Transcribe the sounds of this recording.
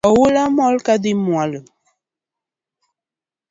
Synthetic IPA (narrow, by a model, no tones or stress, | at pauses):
ɔwulamɔlkadimualə